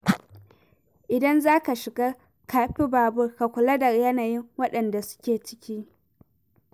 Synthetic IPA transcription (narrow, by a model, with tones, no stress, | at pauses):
ʔɪ˨dɐ˦nzaː˦ka˨ʃɪ˨ɡaː˦ | kaː˨ɸi˦baː˨bʊ˦rka˨kʷʊ˨lɐ˦dɐ˨rjɐ˦naː˨jɪ˦ŋwɐ˦ɗɐ˨nda˨sʊ̥˦kʲeː˨t͡ʃɪ̥˦kʲiː˦